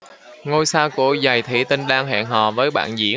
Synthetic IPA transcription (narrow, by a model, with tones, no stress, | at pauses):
ŋo˧jsaː˧wkṵ˧˩əza˨˩jt̪ʰḭ˧˩t̪i˧ŋɗaː˧ŋɦɛ̰ː˧˨ŋɦɔ̰˧˨vəː˨˦jɓa̰ː˧˨nzḭ˧˥ə